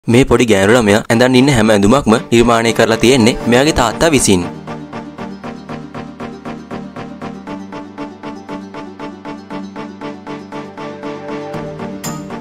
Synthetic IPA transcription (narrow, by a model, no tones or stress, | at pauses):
meːpoɖiɡɛːɾuɭamejaʔɛnd̪anːinːəɦɛməɛnd̪umakməniɾmaːneːkəɾəlat̪ijenːemejaɡet̪aːt̪ːaʋisin